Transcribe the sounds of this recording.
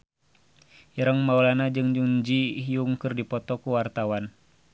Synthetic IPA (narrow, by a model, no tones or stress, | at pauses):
iɾəŋmaulanad͡ʒɨŋd͡ʒuŋɲd͡ʒiijuŋkɨrdipɔt̪ɔkuwart̪awan